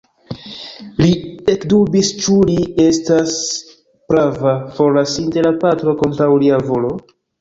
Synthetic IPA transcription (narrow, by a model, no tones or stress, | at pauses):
lie̞kdubist͡ʃulie̞stas | pɾavafo̞ɾlasinte̞lapatɾo̞ko̞ntɾawliavo̞lo̞